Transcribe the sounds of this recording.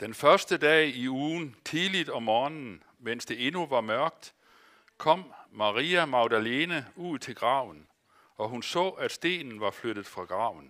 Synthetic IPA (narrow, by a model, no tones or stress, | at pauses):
d̥enfɶɐsd̥əd̥ɛ̰ːiuːnt͡sʰiðˠlid̥ɒ̽mɒːnn̩ | men̰sd̥e̝e̝nuʋɑ̈mɶɐɡ̥̚d̥ | kʰɒ̽m̰mɑ̈ʁiːæmɑ̈ʊd̥æle̝ːnəuð̰ˠt͡sʰe̝lɡ̥ʁɑ̈ʊn̩ | ɒ̽ɦunsɔ̰̽ːæd̥sd̥e̝̰ːnn̩ʋɑ̈flød̥ð̩ˠfʁɑ̈ɡ̥ʁɑ̈ʊn̩